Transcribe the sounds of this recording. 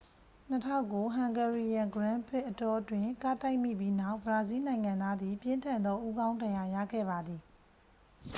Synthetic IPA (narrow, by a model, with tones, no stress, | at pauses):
n̥ətʰa˦ʊ̃kːo˨˦ɦã˨ŋɡɛ˨ɹi˨jã˨ŋɡəɹã˦mpʰɪ˦ʔːətɔ˦ʔtwɪ̃˨ka˦˨ta˦ɪʔmḭ˦˨pji˦na˦ʊʔbəɹa˨zi˦nã˨ɪ̃ŋã˨nd̪a˦d̪ði˨pjɪ̃˦ntʰã˨nd̪ɔ˦ʔu˦ɡã˦ʊ̃ndã˨ja˨ja̰˦˨ɡɛ̰˦˨βa˨d̪ði˨